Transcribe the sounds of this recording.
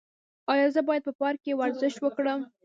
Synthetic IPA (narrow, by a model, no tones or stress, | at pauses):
ɑjɑzəbɑjad̪̚pəpɑɾkewaɾzɪʃt̪wəkɽəm